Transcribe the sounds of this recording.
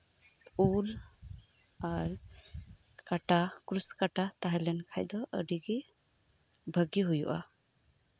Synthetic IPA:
pul | aɾ | kaʈakɾuskaʈat̪aɦɛlɛnkʰajd̪ɔʔə̰ɖiɡɛ | bʱəɡiɦujṵʔa̰

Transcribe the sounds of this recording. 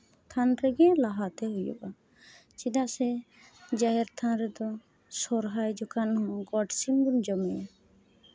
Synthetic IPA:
t̪ʰanɾɛɡɛ̃laɦat̪ɛɦujɔ̰ba | t͡ʃid̪aʔsɛ | d͡ʒaɦɛɾt̪ʰãɾɛd̪ɔ | sɔɾɦajd͡ʒɔkanɦɔ̃ɡɔʈsimbund͡ʒɔmɛja

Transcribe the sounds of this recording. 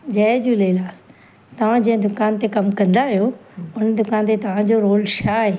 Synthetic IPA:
d͡ʑɐd͡ʑulelaːl | t̪ɐʋ̤ãd͡ʑɐ̃ɦɪ̃d̪ʊkaːnt̪ekɐmkɐ̃nd̪aɦijoʊnd̪ʊkaːnt̪̬et̪ɐʋ̤ãd͡ʑoɾoːlʃaːɦeː

